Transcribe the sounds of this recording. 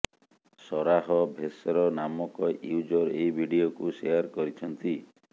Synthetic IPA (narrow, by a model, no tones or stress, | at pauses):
sɔɾaɦɔbʱesɔɾɔnamɔkɔjud͡ʒɔɾeibʱiɽiokusejaɾkɔɾit͡ʃʰɔnt̪i